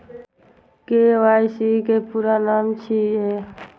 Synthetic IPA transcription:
keʋajsikepuɾanaːmt͡ʃʰie

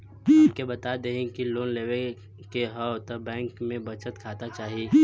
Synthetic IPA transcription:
p̚kebɐt̪ad̪eɦẽkiloːnleːʋe | keɦəwt̪ɐbɛ̃ːŋkmẽbət͡ʃət̪kʰaːt̪at͡ʃaːɦieː

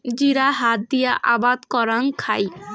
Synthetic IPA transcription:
d͡ʒiɾaɦat̪̚d̪ijaʔa̰bad̪kɔɾaŋkʰaj

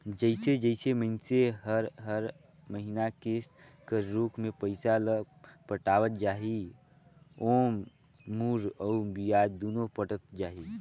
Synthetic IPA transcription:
d͡ʒəɪsed͡ʒəɪsemənseɦəɾɦəɾ | məɦinakeskəɾuːkʰmẽpəɪsalə | pəʈaːwət̪̚d͡ʒaːɦi | oːm | muɾəubijaːd̪oːnopəʈət̪̚d͡ʒaːɦi

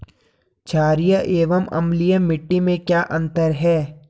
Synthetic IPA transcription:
t͡ʃʰaːɾijaʔeːʋəmɐ̰mlijamɪʈːimẽkjaːʔɐ̃nt̪əɾɦɛː

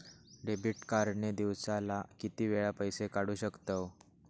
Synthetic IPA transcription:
ɖebiʈkaɾɳed̪iʋsalakit̪iːʋeɭapəjsekaɽuːɕəkt̪o

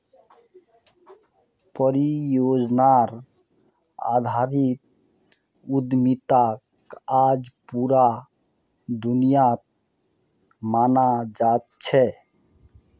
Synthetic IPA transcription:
pəɾijod͡ʒnaɾ | a̰d̪ʱaɾit̪̚ | ud̪mit̪ak | ad͡ʒpuɾa | d̪unijat̪̚ | manad͡ʒat̪̚t͡ʃʰɛ

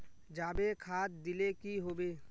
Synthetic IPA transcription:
d͡ʒaːbekʰaːt̪̚d̪ɪlekiɦoːbeː

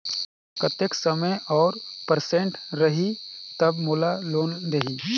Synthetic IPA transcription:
pət̪eksəməjɔːɾpəɾsẽɳʈɾɐɦit̪ɐbmʊlaloːnd̪eɦi

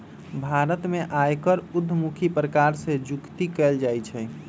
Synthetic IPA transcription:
bʱaɾət̪meʔajkəɾʊd̪ʱːmukʰipɾəkaɾsed͡ʒʊkt̪ikɛld͡ʒajt͡ʃʰɛ

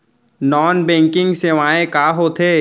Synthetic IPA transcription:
nɔːnbɛ̃ːŋkɪ̃ŋɡseʋaːẽkaːɦoːt̪ʰeː

